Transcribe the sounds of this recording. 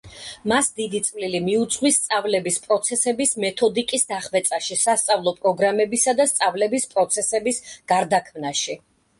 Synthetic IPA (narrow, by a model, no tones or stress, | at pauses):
masd̪id̪it̪sʼvlilimiut̪sʼqʼwist̪sʼavlɛbispʼɾɔt̪sʰɛsɛbismɛt̪ʰɔd̪ikʼisd̪aχvɛt̪sʼaʃisast̪sʼavlˠɔpʼɾɔɡɾamɛbisad̪ast̪sʼavlɛbispʼɾɔt̪sʰɛsɛbisɡ̥aɾd̪akʰmnaʃi